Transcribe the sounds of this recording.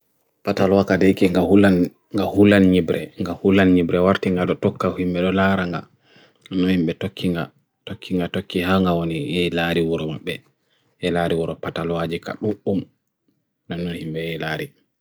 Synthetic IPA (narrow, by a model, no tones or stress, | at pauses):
patalwakadekiŋɡahulan | ŋɡahulanɲibɾɛŋɡahulanɲibɾɛwaɾtiŋɡaɗɔtɔkːahimɓɛɗɔlaɾaŋɡa̰ | nːɔhimɓɛtokʰːiŋɡa | tokːiŋɡatokːihaŋɡawonijɛlaɾiwuɾɔmaɓːɛ | ʔɛlaɾiwuɾɔpatalwad͡ʒika̰ɗuum | nanːɔnhimɓɛjɛlaːɾi